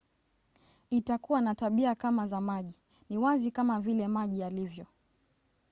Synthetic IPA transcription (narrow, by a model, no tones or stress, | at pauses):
itakuwanataɓiakamazamaʄi | niwazikamavilɛmaʄijalivjɔ